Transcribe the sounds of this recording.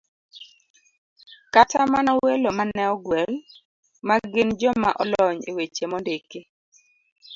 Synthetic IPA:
katamanawelomanɛɔɡwɛl | maɡɪnd͡ʒɔmaʔɔlɔɲḛwet͡ʃemɔndeke

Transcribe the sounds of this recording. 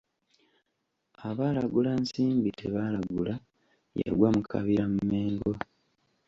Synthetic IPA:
aβaːlaɡulansiːmbitʰeβaːlaɡula | ja̰ɡwamukʰa̰βiɾamume̞ːŋɡo̞

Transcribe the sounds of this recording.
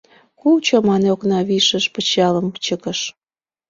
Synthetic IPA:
kut͡ɕomɑneoknɑβiʃəʃpət͡ɕɑləmt͡ɕəkəʃ

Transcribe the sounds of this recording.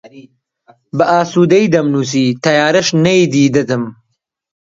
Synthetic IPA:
bɐʔaːsuːd̪ɐjd̪ɐmnuːs̬iːt̪ʰɐjaːɾɐʃnɐjd̪iːd̪ɐt̪ɨm

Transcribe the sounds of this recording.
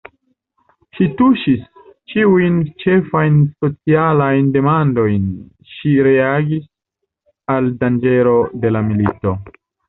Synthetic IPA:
ʃituʃis | t͡ʃiujnt͡ʃe̞fajnso̞t͡sialajnde̞mando̞jn | ʃiɾe̞aɡis | aldand͡ʒe̞lo̞de̞lamilito̞

